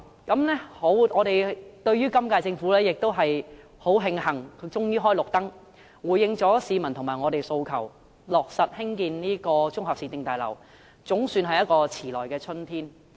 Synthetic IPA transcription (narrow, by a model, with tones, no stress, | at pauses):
kɐ˨˥mnɛː˥ho˨˥wŋɔː˨˧ɾe˨jt̪ɵ˧ɥyː˥kɐ˥mkaː˧jt͡sɪ˧ŋfu˨˥lɛː˥jɪ˨k̚t̪o˥wɦɐ˨j | ho˨˥wɦɪ˧ŋɦɐ˨˩ŋkʰt͡sʊ˥ŋjiː˥ɦɔː˥jlʊ˨k̚t̪ɐ˥ŋ | wuː˨˩jːɪ˧ŋt͡sɔː˨˥siː˨˧mɐ˨˩nt̪ʰʊ˨˩ŋmaː˨˩ŋɔː˨˧t̪e˨jso˧wkʰɐ˨˩w | lɔː˨k̚sɐ˨t̚hɪ˥ŋkiː˨nniː˥kɔː˧t͡sʊ˥ŋhaː˨p̚siː˧˥t̪ɪ˨˧ŋt̪aː˨jlɐ̰˨˩w | t͡sʊ˨˥ŋsyː˧nɦɐ˨jɐ˥t̚kɔː˧t͡sʰiː˨˩lɔː˨˩jkɛː˧t͡ʃʰɵ˥nt̪ʰiː˥n